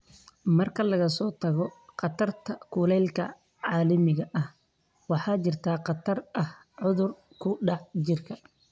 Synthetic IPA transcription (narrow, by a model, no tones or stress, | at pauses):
mɐrkʰɐlɐɣɐsɔːt̪ʰɐɣɔqɑt̪ʰɐrt̪ʰɐkʰʊlɛlkʰɐ̰ | ʕɑːlɐmɪɣɐʔɐh | wɑħɑːt͡ʃɪrt̪ʰaːqɑt̪ʰɐrɐh | ʕʊðʊr | kʰʊɖɑʕd͡ʒɪrkʰɐ